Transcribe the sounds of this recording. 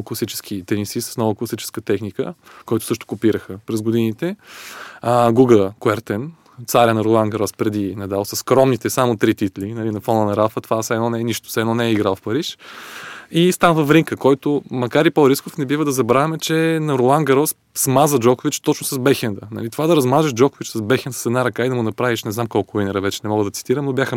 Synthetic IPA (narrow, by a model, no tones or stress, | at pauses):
klˠɐsit͡ʃɛ̥sk̟ʰit̪ɛnisisɐ̥snɔvəklˠɐsit͡ʃɛ̥skət̪ɛxnikəkɔjt̪ʊ̥sɤʃt̪ʊ̥kopiɾəxəpɾɛzɡod̪init̪ɛ | ɡuɡəkoɛɾt̪ɛn | t̪saɾʲənɐɾolˠanɡɐɾɔspɾɛd̪inɐd̪alˠsəsːkɾɔmnit̪ɛsamot̪ɾit̪it̪linɐlinɐfɔnənɐɾafət̪ovasɛd̪ɔnɛɛniʃt̪ʊ̥sɛd̪nɔnɛɛiɡɾalˠfpɐɾiʃ | ist̪anvɐfɾiŋkəkɔjt̪ʊmɐkaɾipoɾiskofnɛbivəd̪ɐzɐbɾavɛmɛt͡ʃɛnɐɾolˠanɡɐɾɔs | smazəd͡ʒɔkʊvit͡ʃt̪ɔt͡ʃnʊsɐzbɛxɛnd̪ənɐ̰lit̪ovad̪ɐɾɐzmaʒɛʃd͡ʒɔkʊvit͡ʃsɐzbɛxʲɛnsə̥sɛd̪naɾɐkaid̪ɐmʊnɐpɾaviʃnɛznamkɔlˠkʊinɛɾəvɛt͡ʃɛnɛmɔɡəd̪ɐt̪si̥t̪iɾəmnobjaxə